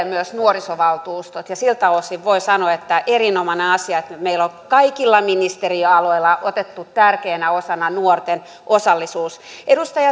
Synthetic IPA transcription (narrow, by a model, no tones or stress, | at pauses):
myøsnuorisoʋɑlt̪uːst̪ot̪jɑsilt̪ɑlosiʋʋoisɑnoet̪ːæʔerinomɑneɑsiɑet̪meiloŋkɑikilːɑminist̪eriøɑloilːˑɑʔot̪et̪ːut̪t̪ærkeːnæosɑnɑnuort̪en | ʔosɑlːisuːsʔedust̪ɑjɑ